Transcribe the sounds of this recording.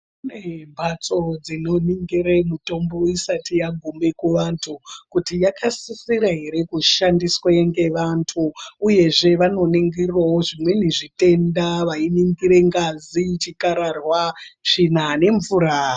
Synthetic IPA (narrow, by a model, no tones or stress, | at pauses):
unembʱat͡so̞d͡zino̞niŋɡiɾemuto̞mbo̞isatijaɡʱume̞kuʋantʰukutijakʰasisiɾaɦe̞ɾe̞kuʃandisweŋɡe̞ʋantʰuːje̞ʐeʋano̞niŋɡiriwaoʐimwe̞niʐite̞ndaʋainiŋɡiɾe̞ŋɡazit͡ʃikaɾarwat͡ʃinane̞ɱvuɾa